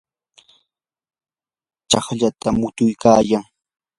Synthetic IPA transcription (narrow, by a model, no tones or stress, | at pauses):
t͡ʃɑχʎat̪amʊt̪ʊjkaːjaŋ